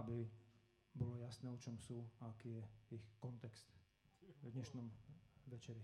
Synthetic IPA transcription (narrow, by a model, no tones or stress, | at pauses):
abi | bɔlɔjasnɛːɔt͡ʃɔmsuːaakiːjɛixkɔnt̪ɛkst̪ | d̪ɲɛʃnɔmʋɛt͡ʃɛɾi